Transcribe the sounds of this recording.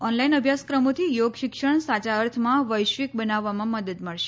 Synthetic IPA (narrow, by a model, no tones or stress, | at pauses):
ɔnlainəbʱjaskɾəmot̪ʰijoɡʃɪkʃəɳ̃sat͡ʃaəɾt̪ʰmãʋəjʃʋik̚bənaʋːamãməd̪əd̪məɭʃe̥